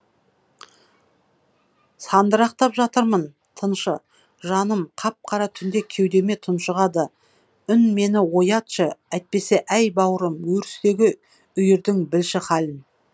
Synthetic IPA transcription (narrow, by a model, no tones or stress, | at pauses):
sɑnd̪əɾɑq̚t̪ɑpʒɑt̪əɾmən | t̪ʰənʃə | ʒɑnəmqʰɑp̚qʰɑɾɑt̪ʰʏnd̪e̞kʲʰe̞wd̪e̞me̞t̪ʰʊnʃəʁɑd̪ə | ʏnme̞nɪwo̞jɑt̪ʃəæjt̪̚pe̞se̞ʔæjbɑwəɾəmwɵɾɪst̪e̞ɡʲɪ | ʏjɪɾd̪ɪŋbɪlʃɪχɑlɪn